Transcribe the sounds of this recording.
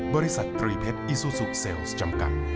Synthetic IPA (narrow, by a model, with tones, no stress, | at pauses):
bɔː˧ɾi˦˥sa˨˩t̪ːɾiː˧pʰe˦˥t̪̚ʔi˧suː˧su˨˩k̚se˧wst͡ɕa˧mka̰˨˩t̪̚